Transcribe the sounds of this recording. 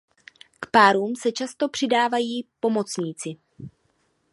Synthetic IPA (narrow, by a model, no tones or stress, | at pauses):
kpaːɾuːmsɛt͡ʃast̪o̞pr̥ɪdaːvajiːpo̞mo̞t͡sɲiːt͡sɪ